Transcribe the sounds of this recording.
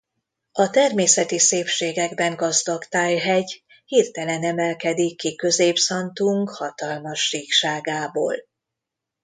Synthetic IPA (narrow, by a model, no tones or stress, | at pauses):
ɒt̪ɛrmeːsɛt̪iseːpʃeːɡɛɡbɛŋɡɒzd̪ɒkt̪aːjɦɛɟ | hiːrt̪ɛlɛnɛmɛlkɛd̪ikːikø̞zeːpsɒnt̪uŋkhɒt̪ɒlmɒʃːiːkʃaːɡaːbo̰ːl